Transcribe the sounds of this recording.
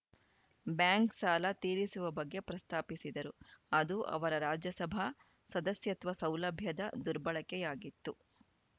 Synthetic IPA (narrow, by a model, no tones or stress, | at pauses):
bjaːŋksaːlɐt̪iːɾisuʋɐbɐɡːe̞pɾɐst̪ʰaːpisid̪ɐɾuɐd̪uʔɐ̰ʋɐɾɐɾaːd͡ʒjɐsɐbʱa | sɐd̪ɐsjɐt̪ʋɐsɐwlɐbʱjɐd̪ɐd̪uɾbɐɭɐkɛjaːɡit̪ːu